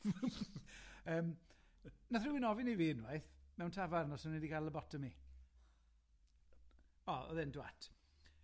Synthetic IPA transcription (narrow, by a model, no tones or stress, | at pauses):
əːm | naθr̥ɪwɪnɔvɪniviːnwajθmɛwntʰavaɾnɔsənɛdiɡalˠəbɔtʰəmi | ɔɔ̰ðɪndwa̰tʰ